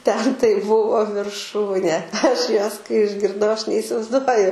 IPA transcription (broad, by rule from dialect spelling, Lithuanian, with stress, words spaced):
tʲɛn tɐɪ ˈbʊʋoː ʋʲɪrˈʃuːnʲeː ˈɐʃ ˈjuɔs kɐɪ ɪʒʲɡʲɪrˈdɐʊ ˈɐʃ nʲɛɪsʲɪʋɐɪzˈduɔjʊ